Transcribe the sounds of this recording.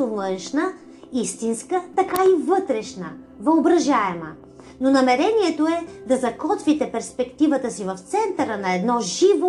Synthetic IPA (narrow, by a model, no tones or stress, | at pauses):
ovɤnʃnə | ist̪inskət̪ɐkaivɤt̪ɾɛʃnəvəobɾɐʒaɛmə | nonɐmɛɾɛniɛt̪oɛd̪ɐzɐkɔt̪vit̪ɛpɛɾspɛkt̪ivət̪əsivɐft̪sɛnt̪əɾənɐɛd̪nɔʒivo